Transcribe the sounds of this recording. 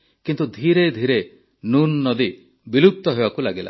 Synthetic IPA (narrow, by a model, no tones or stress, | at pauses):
kint̪ud̪ʱiɾed̪ʱiɾe | nunːɔd̪i | biluk̚t̪ɔɦebakulaɡila̰